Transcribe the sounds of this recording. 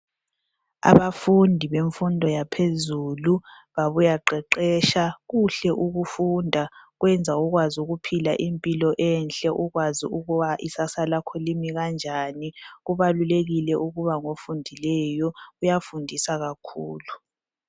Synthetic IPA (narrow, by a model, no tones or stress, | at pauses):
a̰βafundʱiβeɱfundʱɔjapʰezuːlu | βaβujaǃɛǃɛːʃaɣuɬɛʔuɣufundʱaɣwɛnd͡zʱauɣwazuɣupʰilaʔimpʼilɔʔɛnɬʼɛʔuɣwazḭuɣuβaʔisasalakʰɔlimiɣand͡ʒʱaniɣuβaluleɣilɛʔuɣuβaŋofundʱilɛjɔujafundʱisaɣakʰuːlu